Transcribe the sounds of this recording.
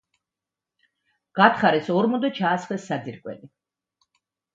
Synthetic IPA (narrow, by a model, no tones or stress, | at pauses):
ɡ̥at̪χaɾɛsɔɾmɔnd̪ɛt͡ʃʰaːsχlɛsːad̪iɾkʼwɛ̰li